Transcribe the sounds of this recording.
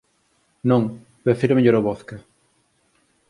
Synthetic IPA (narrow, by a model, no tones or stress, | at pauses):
nõŋ | pefiɾomeʎoɾoβoθkɐ